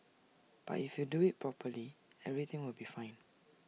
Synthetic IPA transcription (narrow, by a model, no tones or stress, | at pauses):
b̥a̰tifjuduit̚pʰɹɔpʰəliɛvɹit̪ɪ̃ŋwɪlbifãɪ̃n